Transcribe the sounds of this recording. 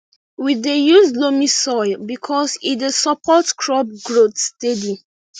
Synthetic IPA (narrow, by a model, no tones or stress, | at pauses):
widejuzlomisɔɪlbikʰɔsidesɔpʰɔtkʰɹɔb̚ɡɹotstedi